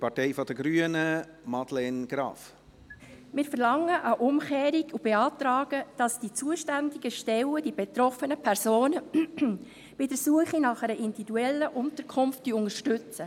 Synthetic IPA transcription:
pʰɑɾteɪfɔd̥əɡɾyːənə | mɑd̥̪lɛnɡ̥ɾɑ̰ːf | mɪːɾfəɾlɑŋːəʔɑʔʊmxeːɾiɡub̥eɑːt̪ɾɑːɡ̥əd̥ɑsd̥it͡suəʃtændiɡ̥əʃtɛwəd̥ibet̪ɾɔfənəpʰɛɾsoːnə | b̥ɪdəɾsuəχinɑχɛɾəʔindividuɛlːəʔʊnt̪əɾkʰχʊmftd̥yʊŋəɾʃtʏt͡sə

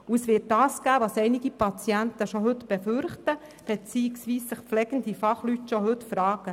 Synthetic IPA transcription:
uəsʋɪːt̚dɑːsɡ̥æːʋɑsɛɪnɪɡipʰɑt͡sjænt̪əʃoɦɵt̪b̥ɛføɾχtə | b̥ɛt͡siːɪksʋiːssɪχflɛɡ̥ənd̥̪ifɑχlytʃɔɦɵtfɾɑːɡ̥ə

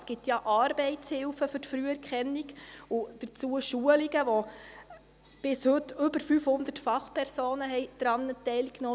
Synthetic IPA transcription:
sɡ̥ɪt̪jɑʔɑːɾbɛɪtt͡shɪlfəfʏɾtfɾyəɛɾkχɛnːiɡʊd̥ət͡suəʃuəliɡəʋɔ | b̥ɪshɵtːʏbəɾfyfhʊnd̪ətfɑχpʰɛɾsoːnəɦɛɪd̥ɾɑnːətɛɪlkno

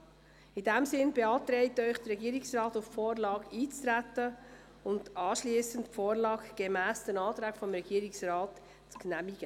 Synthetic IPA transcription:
idæmsɪnbeɑːtɾɛɪtœʏχd̥əɾɛɡiːəɾɪksrɑːtuffoːɾlɑːɡiːt͡st̪ɾætə | ʊndɑːʃliəsəntfoːɾlɑːɡɡ̥emæːsd̪̥ənɑːt̪ɾæːkfɔmɾɛɡiəɾɪksɾɑːt | t͡sknæmiɡ̥ə

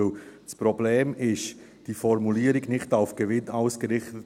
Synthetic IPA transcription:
sprobleːmɪʃ | d̥iːfɔɾmuliːəɾɪɡnɪχtaʊfɡ̥əvɪnaʊsɡ̥əɾɪχtət

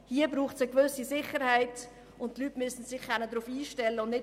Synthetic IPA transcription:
hiːəbɾuːχsəkʋʏsisɪχəɾhaɪt | ʔʊntːlytmysn̩sɪχkɛnədɾuːfiːʃtɛlːəʊndnɪ

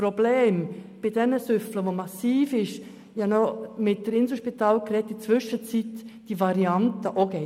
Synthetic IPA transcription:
pɾobleːm | b̥ɪd̥ɛnəsʏfləʋomɑsiːfɪʃ | jɑnɔmɪt̚d̥əɾɪnsl̩ʃpitɑːlkɾɛtːit͡sʋʏʃət͡sitd̥ivɑɾiɑntəʔoɡe

